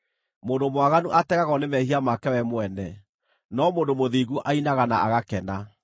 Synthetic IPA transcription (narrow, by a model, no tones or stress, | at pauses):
moːndomwaɣanuʔatɛɣaɣɔnemɛhiamakɛwɛmoɛnɛ | nɔmoːndomoðiːɣuʔainaɣanaaɣakɛna